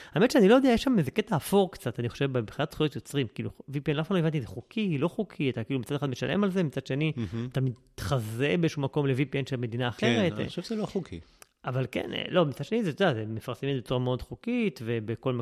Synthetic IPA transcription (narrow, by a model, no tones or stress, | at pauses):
aeme̞tʃeanilojodeajeʃamezeket̪aːfoʁkt͡sat̪aniχo̥ʃevbempχinat̪χujot̪jo̞t͡sʁimkiːlṵvipienlafaloevant̪izeχukʰilo̞χukʰiat̪akiːlumitt͡sad̪eχad̪meʃalʔḛmalzemit͡sad̥̪ʃe̞niat̪amid̪t̪χazebeezʃumako̞mlevipienʃelme̞d̪inaːχkeʁet̪oʃevzeloχukʰḭ | avalkḛnḛlo̞mit͡sad̪ʃe̞nizet̪odazemefaʁsemet̪bet͡suʁameo̞d̪χukit̪ve̞beko̞lm